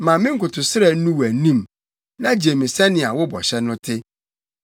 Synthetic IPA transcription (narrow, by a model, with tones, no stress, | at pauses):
mã˨mɪ̃˦ŋ̩˦kʊ˨tʰʊ˨sɪ˦ɾɛ˨n̩˦nũ˦wæ˨nĩ˦˨m | nã˦d͡ʑi˨e˨mɪ̃˨sɛ˦nɪ̃˨a˨wʊ˦bɔ̰˨ɕɛ˦nʊ̃˦tʰɪ˦